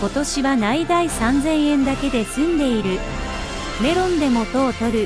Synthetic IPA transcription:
ko̞t̪o̞ɕiβanaid̪aisãnd͡zẽ̞ɰ̃ẽ̞nd̪ake̞d̪e̞sɨ̃nd̪e̞iɾɯ̟ | me̞ɾõ̞nd̪e̞mo̞t̪o̞ːt̪o̞ɾɯ̟

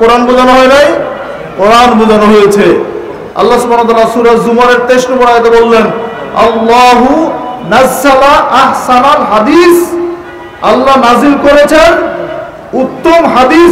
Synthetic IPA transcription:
koɾanbod͡ʑanoɦɔjnaj | koɾanbod͡ʑanoɦojet͡ɕʰe | ɐ̰lːasubʱanot̪aːlaɾsuɾazumaɾeɾt̪eʃʈobɔɽajet̪ebolːenɐ̰lːaɦunɐzːalaʔahsanalɦad̪is | a̰lːanazilkoɾet͡ɕʰen | ut̪ːomɦad̪i

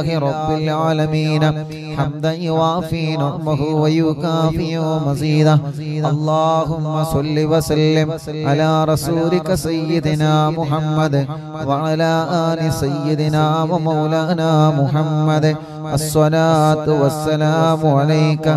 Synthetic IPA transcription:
ɦiɾɔbːɪlʕaːlɐmiːnɐ | ħɐmd̪ɐjʊʋaːfiːnɐmɐɦuʋɐjukaːfijoːmɐziːd̪ɐ | ɐlˤːɑːɦʊmːɐsɔlːiʋɐsɐlːɪm | ʕɐlaːɾɐsuːlɪkɐsɐjːɪd̪ɪnaːmʊɦɐmːɐd̪ | ʋɐʕalaːʔaːnisɐjːɪd̪ɪnaːʋɐmɐwlaːnaːmʊɦɐmːɐd̪ | ʔɐsːɐlaːt̪ʊʋɐsːɐlaːmʊʕɐlɐjkɐ

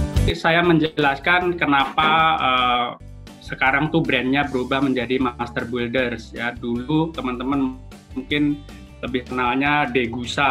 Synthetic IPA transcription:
sajaməɲd͡ʒəlaskankənapaəː | səkaɾaŋt̪ubɾɛnɲabəɾubahməɲd͡ʒadimast̪ərbuldərsjadulut̪əmant̪əmanm | ŋkɪn | ləbɪhkənalɲadeɡusa

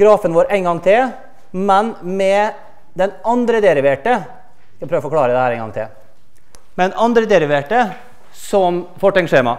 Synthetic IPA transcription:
ɡ̥ɾɑːfənʋoːɾʔæɪŋɡɑŋt̪ʰɪl | mɛnmɛ | d̪ɛnɑnd̪ɾəd̪ɛɾɪʋeːʈə | kɑpɾøːʋəfɔɾkʰɽɑːɾəd̪ɛæːɾæɛɪŋɡɑ̰ŋt̪ʰɪ̰l | mɛd̪ɛnʔɑnd̪ɾəd̪ɛɾɪʋeːʈə | sɔmfɔʈːɛŋʂeːmɑ̰

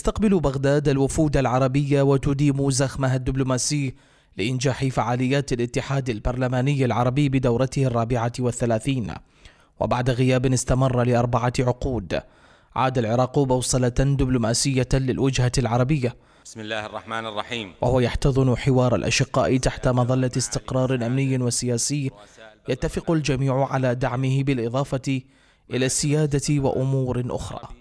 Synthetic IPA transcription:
ɪst̪aqbɪlubaɣd̪aːd̪alwʊfuːd̪alʕɑɾˤɑbɪjːawat̪ʊd̪iːmuzaxmaɦad̪ːɪblʊmaːsɪj | lɪʔɪnd͡ʒaːħɪfaʕaːlɪjːaːt̪alʔɪt̪ːɪħaːd̪albɑɾˤlamaːnɪjːalʕɑɾˤɑbɪjbɪd̪awɾˤɑt̪ɪharˤːɑːbɪʕawaθːalaːθiːn | wa̰baʕd̪aɣɪjaːbɪnɪst̪amɑrˤːɑlɪʔɑɾˤbaʕaʕʊquːd̪ | ʕaːd̪alʕɪɾˤɑːqbɑwsˤɑlad̪ɪblʊmaːsɪjːalɪ̰lwɪd͡ʒhalʕɑɾˤɑbɪjːa | ɪlːaːrˤːɑħmaːnrˤːɑħiːmwahʊwajaħt̪ɑðˤɨnʊħɪwɑːɾˤa̰lʔa̰ʃɪqːa̰ːʔɪt̪aħt̪amɑðˤɑlːast̪ɪqɾˤɑːɾˤʔamnɪjːɪwasɪjaːsɪjːjat̪ːafɪqʊld͡ʒamiːʕʊʕalaːd̪aʕmɪhɪbɪlʔɨðˤɑːfɑ | ʔɪlaːsːɪjaːd̪awa̰ʔʊmuːɾʔʊ̰xɾˤɑ̰ː

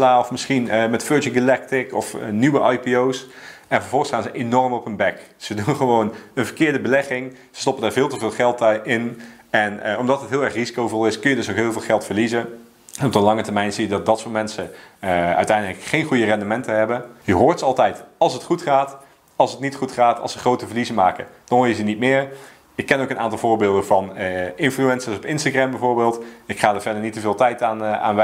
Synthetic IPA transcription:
laːɔfmɪsχinmɛtføɹd͡ʒɪŋɡɪlɛk̚tɪkɔfnyʋəʔɑjpiowsɛnvɑɹvɔlˠχəsχaːnzəʔenɔrmɔpənbɛkz̥ədunχəʋownənvəɹkɪːɹdəbəlɛχɪŋ | z̥ə̥stɔpəndaːɹvɪːlˠtəvɪːlˠχɛlˠtɪn | ɛnɔmdɑtɦətɦɪlˠɛɹχrizikowvɔlˠɪskɵnjədɵsokɦɪːlˠvɪːlˠχɛlˠtfəɹlizə | ɛnɔb̚dəlɑŋətəɹmɛjnzijədɑt̚dɑtsʊːmɛnsə | œ̰ɥtɛjndələkχejnχujərɛndəmɛntəɦɛbəjəɦʊːɹtsɑlˠtɛjtɑlˠsətχutχaːt | ɑlˠsətnitχutχaːtɑ̰lˠsəχrowtəvəɹlizənmaːkə̰d̥ɑnʋʊjəzənitmɪːɹ | ɪkːɛnowkənʔaːntɑlˠvʊːɹbɪːlˠdəvɑnɪnfluɛnsəsɔpɪnstaɡrɛmbɛjvoːɹbɪːlˠtɪkχaːdəɹvɛɹdəɹnitːəvɪːlˠtɛjtaːna̰ːnʋɛ

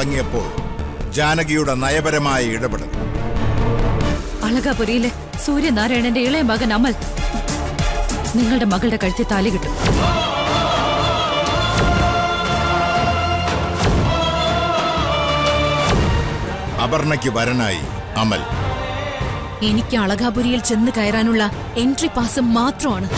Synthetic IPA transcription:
ɐŋːijɐpːo̞̰ːɭd͡ʑaːnɐɣijuɽe̞nɐjɐbɐɾɐmaːjɐiɽɐbeɽɐð | ɐɭɐɣaːpurijilːe | suːɾjɐnaːɾɐjɳende̞iɭɐjɐmbʱɐɣɐnɐmɐl | niŋːɐɭɨɽe̞mɐɣɐɭɽe̞kɐɻit̪ːɐt̪ːaːliɣiʈːu | ɐbɐrɳɐkʲːɨʋɐɾɐna̰ːjḭ | ɐmɐ̰l | e̞nikʲːɨɐɭɐɣaːbuɾijilt͡ɕe̞nːɨkɐjɐraːnuɭːɐ | e̞nɖripaːsɨmːaːt̪rɐmaːɳɨ

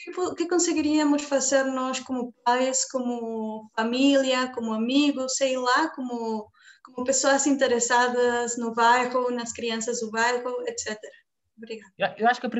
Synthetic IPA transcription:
kpukɪkõsɨɣiɾiɐmʊʃfɐzeɾnɔʃkomʊp̚ajskomʊfɐmilˠjɐkomuɐmiɣʊseilˠakomʊ | komʊpesoɐzĩnt̪eɾesaðɐznʊβajʁunɐʃkɾiɐ̃sɐzðʊβajʁuɛt̪sɛt̪eɾɐ | oβɾiɣaðewaʃu̥kɐpɾi

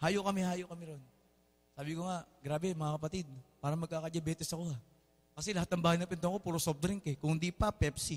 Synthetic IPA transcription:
haːjoʔkɐmɛhaːjoʔkɐmɛɾon | saːbɪkoŋaɡɾaːbɛmɐŋakɐpɐt̪ɪd̪̚paːɾɐmɐɡ̚kaːkɐd͡ʒɐbɛːt̪ɛsɐko̞hɐ | kɐsɛlɐhat̪̚nɐŋbaːhɐjnɐpɪnt̪oɐŋkopuːɾosop̚d̪ɾɪŋkɛkʊŋhɪnd̪ipɐpɛpsi

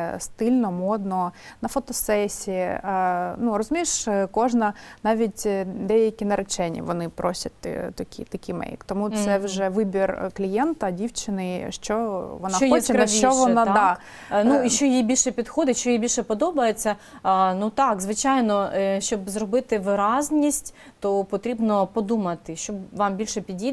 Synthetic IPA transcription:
st̪ɪlʲnɔmɔd̪nɔnɐfɔt̪ɔsɛsʲi | nurɔzʊmʲijʃkɔʒnɐnɑʋʲitʲd̪ɛjɐkʲinɐɾɪt͡ʃɛnʲːḭʋɔnɪpɾɔsʲɐt̚ʲt̪ɐkʲḭt̪ɐkʲimɛ̰jkt̪ɔmut̪sɛʋʒɛʋɪbʲirklʲijɛnt̪ɐdʲiwt͡ʃɪnɪʃt͡ʃɔʋɔnɑxɔɛnɐʃʲt͡ʃɔʋɔnad̪ɑ | nuiʃt͡ʃɔjijbʲilʲʃɛpʲid̪xɔd̪ɪtʲʃt͡ʃɔjijbilʲʃɛpɔd̪ɔbɐjet͡sʲːɐ | nut̪ɑkzʋɪt͡ʃɑjnɔʃt͡ʃɔbzrɔbɪt̪ɪʋɪɾɑzʲnʲisʲtʲ | t̪ɔpɔt̪ɾʲibnɔpɔd̪umɐt̪ɪʃt͡ʃɔbʋɑmbʲilʲʃɛpʲidʲi

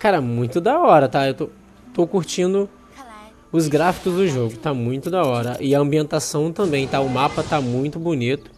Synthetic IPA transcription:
kaɾɐmũj̃t̪ʊd̪ɐɔɾɐt̪aewt̪o | t̪okuɾt͡ʃĩnd̪ʊ | ʊzɡɾafi̥kʊzd̪ʊʒoɡʊt̪amũj̃t̪ʊd̪ɐɔɾɐʔɪɐɐ̃mbiẽnt̪asɐ̃w̃t̪ɐ̃mbẽj̃t̪aʊmapɐt̪amũj̃t̪ʊbonit̪ʊ̥

